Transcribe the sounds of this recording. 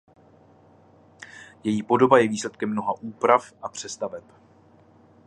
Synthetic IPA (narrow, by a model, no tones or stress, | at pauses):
jɛjiːpo̞do̞bajɛviːslɛt̪̚kɛmːno̞ɦaʔuːpɾafʔapr̝̥ɛst̪avɛp